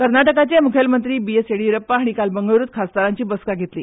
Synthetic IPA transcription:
kəɾnaʈəkat͡ɕemukʰəlmənt̪ɾiːbieseɽiːɾəpːaaɽ̃ikalbəŋɡəʋɾuːt̪̚kʰast̪aɾaɲt͡ɕiːbəskaɡʱet̪lḭː

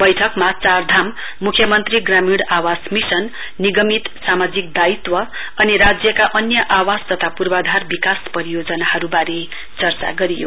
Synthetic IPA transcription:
bʌjʈʰʌkmat͡sard̪ʱamː | ukʰjʌmʌnt̪riɡramiɽawasmisʌnː | iɡʌmit̪samad͡zik̚d̪ait̪wʌ | ʌniɾad͡zjʌkaʔʌnjʌʔawast̪ʌt̪ʰapurbad̪ʱarbikaspʌɾijod͡zʌnahʌɾubaɾe | t͡sʌrt͡sa̰ɡʌɾijo̰

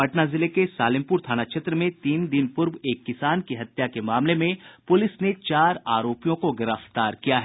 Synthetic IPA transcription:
bɐʈnazɪlekesaːlɪ̃mpʊɾt̪ʰaːnaʃʰet̪ɾəmẽt̪iːnd̪ɪnpʊɾweːkːɪsaːnkiɦɐt̪jakemaːmlemẽpʊlɪsnet͡ʃaːɾaːɾoːpijõkoɡɪɾəft̪aːɾkijaɦɛː

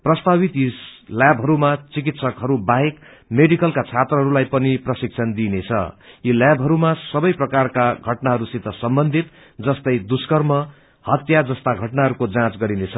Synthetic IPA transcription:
prʌst̪abit̪jisljabʱɦʌɾumat͡sik̬it̪sʌkɦʌɾubaɦekmeɽikʌlkat͡sʰat̪rʌɦʌɾulajpʌniprʌsik̚t͡sʰʌnd̪inet͡sʰʌ̰jiljabʱɦʌɾumasʌbʌjprʌkarkaɡʱʌʈnaɦʌɾusit̪ːʌsʌmbʌnd̪ʱit̪ | d͡zʌst̪ʌjd̪uskʌrmʌ | hʌt̪jad͡zʌst̪aɡʱʌʈnaɦʌɾukod͡zãt͡sɡʌɾinet͡sʰʌ

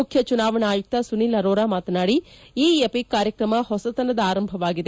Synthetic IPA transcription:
ʊkʰjət͡ʃʊnaːʋənaːit̪ːasʊniːlɐɾoːɾaːmaːt̪naːɽiiːɐpɪkːaːɾjəkɾəmahosət̪ɐnəd̪aːɾəmbʱəʋaːɡɪd̪e

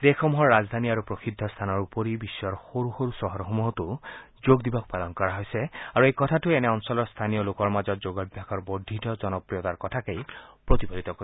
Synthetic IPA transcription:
d̪exɔmuɦɔɹːazd̪ʱaniaɹupɹoxid̪ʱːɔst̪ʰanɔɹupoɹibisːɔɹxoɹuxoɹusɔɦɔɹxomuɦɔtu | zoɡd̪ibɔk̚palɔnkɔɹaɦojsɛaɹuejkɔtʰatuɛnɛɔnsɔlɔɹst̪ʰanijɔlokɔɹmazɔt̚zoɡɔbʱjakʰɔɹbod̪ʱitɔzɔnɔpɹijɔt̪aɹkɔtʰakejpɹot̪ibolit̪ɔko

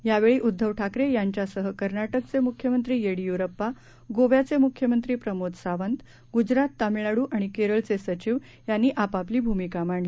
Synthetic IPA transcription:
jaʋeɭiːʔud̪ʱːəʋʈʰakɾejaɲt͡ɕjasəɦəkəɾnaʈək̚t͡semukʰːjəmənt̪ɾiːjeɽijuɾəpːa | ɡoʋjat͡semukʰjəmənt̪ɾiːpɾəmod̪saʋənt̪ | ɡud͡ʑɾat̪ːamiɭaɽuːʔaɽ̃ikeɾəɭt͡sesət͡ɕiʋ | janːiːʔapapliːbʱumikamaɳli

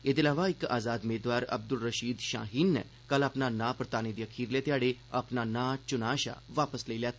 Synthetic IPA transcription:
et̪ilaʋaɪka̰ːzaːd̪meːd̪ʋaːɾɐ̰b̚d̪ulɾəʃiːd̪ʃã̰ːɦiːnːɛ̰ | kəlaːpnanapɾət̪aːned̪ijəkʰiːɾlet̪jaːɽeapnanat͡ʃʊnaːʃa̰ʋaːpəsleiljat̪ʰ

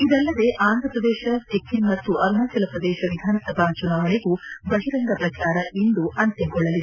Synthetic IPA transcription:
id̪ɛlːɐd̪e̞ʔaːnd̪ʱɾɐpɾɐd̪ɛːʃɐt̪ekːinmɐt̪ːuʔɐɾnɐːsɐlɐpɾɐd̪ɛːʃɐʋid̪ʱaːnɐsɐbʱɐt͡ʃunaːʋɐɳeɡuɡɐɦiɾɐŋɡ̪ɐpɾɐt͡ʃaːɾɐʔind̪uʔɐnt̪eŋɡɔɭːɐlid̪e

